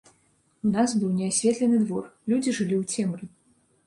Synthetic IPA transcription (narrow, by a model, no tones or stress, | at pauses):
unasbɨwnʲɛasʲvʲɛt̪lʲɛnɨd̪vɔrlʲud͡zʲiʐɨlʲiwt͡sʲɛmɾɨ